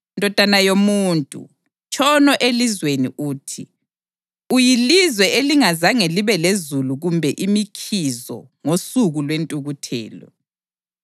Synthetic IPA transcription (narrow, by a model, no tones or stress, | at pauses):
ndʱɔd̥ʱanajomuːntʼṵ | t͡ʃʼɔnɔʔelizwenḭʔuːtʰi | ujilizwɛʔeliŋazaŋeliβɛlezuluɣumbʱɛʔimikʰizɔ̰ | ŋosuɣulwentʼuɣutʰɛ̰ːlɔ̰